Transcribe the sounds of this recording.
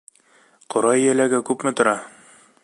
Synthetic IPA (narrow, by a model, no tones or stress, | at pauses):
qŏɾɑjjælæɡækʉpmɘt̪ŏɾɑ